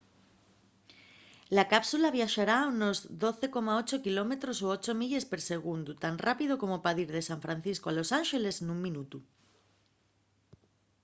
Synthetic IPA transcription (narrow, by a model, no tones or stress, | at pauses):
lakapsulaβ̞jaʃaɾauno̞zðo̞θe̞ko̞mao̞t͡ʃokilo̞me̞t̪ɾo̞soot͡ʃomiʎespeɾse̞ɣ̞und̪ut̪anrapið̞oko̞mopaðiɾðe̞saɱfɾan̟θiskoalo̞sanʃe̞le̞snuŋmĩnut̪u